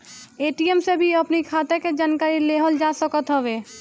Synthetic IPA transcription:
eːʈiemsebʱiəpnikʰaːt̪eked͡ʒaːnkaːɾileːɦəld͡ʒaːsəkət̪ɦəʋeː

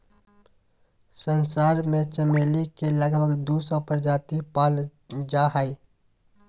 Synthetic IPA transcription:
sənsaːɾmẽt͡ʃəmeːlikeləɡməɡd̪uːsɔ̃pəɾd͡ʒaːt̪ipaːl | d͡ʒaːɦai

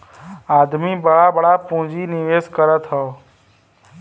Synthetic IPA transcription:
aːd̪mibəɽabəɽapũːd͡ʒinɪʋeːskəɾət̪ɦoː

